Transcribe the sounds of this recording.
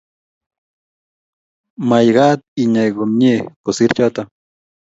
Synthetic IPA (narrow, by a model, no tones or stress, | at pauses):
majɢɑːt̪̚iɲajɢomɲekʊsiɾt͡ʃat̪a